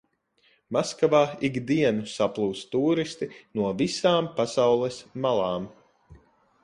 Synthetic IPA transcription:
maskavaːiɡd̪iɛnusaplˠuːt̪st̪uːɾist̪inuɔvisaːmpasawlˠɛsmalˠaːm

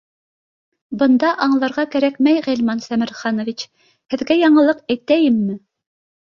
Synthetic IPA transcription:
bɤ̆nd̪ɑʔɑɴlˠɑɾʁɑkæɾæk̚mæjʁæ̆lʲmɑnsæmɘ̆ɾχɑnŏvʲit͡ɕ | hɘ̆ðɡæjɑɴɤ̆lˠɤqæjt̪æjɘmːɘ

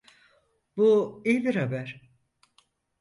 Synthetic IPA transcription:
buijbiɾhabæɾ̥

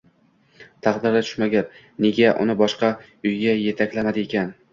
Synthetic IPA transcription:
t̪ʰɑqd̪ɪɾat̪ʰʊ̥ʃmaɡʲap | neɡʲaʔʊ̰nɪbɒʃqɑ | ʊjɡʲaje̞t̪ʰakʲlamad̪ɪekʲan

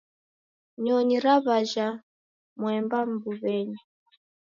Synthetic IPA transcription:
ɲɔɲiɾaβaʒa | mwɛmbam̩buβɛɲi

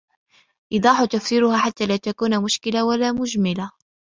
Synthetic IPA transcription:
ʔɨd̪ˤɑːħʊt̪afsiːɾʊhaːħat̪ːaːlaːt̪akuːnamʊʃkɪlawalaːmʊd͡ʒmɪla

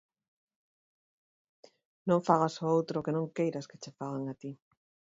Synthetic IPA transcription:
nõŋfaɣ̞asoowt̪ɾokenõŋkejɾɐske̥t͡ʃefaɣaŋat̪i

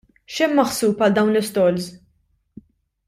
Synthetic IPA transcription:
ʃɛmːɐħsuːpɐld̪ɐwnlɪst̪ɔlz

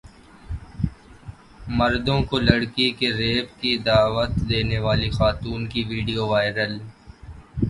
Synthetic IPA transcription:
mɐɾd̪õkolɐɽkikeɾeːpkid̪aːʋət̪d̪eːneʋaːlixaːt̪uːnkiʋiːɖijoʋaːɪɾəl

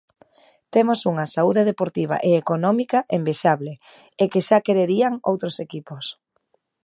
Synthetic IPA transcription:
t̪emosuŋɐsauðeðepoɾt̪iβ̞a̰ʔeːkonɔmikaʔembeʃaβle | ekeʃakeɾeɾiaŋo̰wt̪ɾosekipos

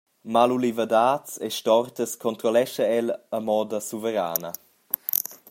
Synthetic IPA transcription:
malulivəd̪aːt͡seʃtɔrt̪əskʰɔnt̪ɾɔlɛʃəɛləmɔːd̪əsuvəɾa̰ːnə

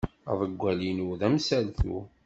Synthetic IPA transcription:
ə̰ðˤəɡʷːælinuðæmsælθṵ

